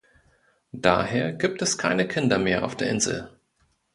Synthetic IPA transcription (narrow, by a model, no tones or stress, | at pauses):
d̥a̰ːheːɐɡiːp̚tɛskʰa̰ɪnəkʰɪndɐmeːɐʔa̰ʊfd̥eːɐʔɪnzl̩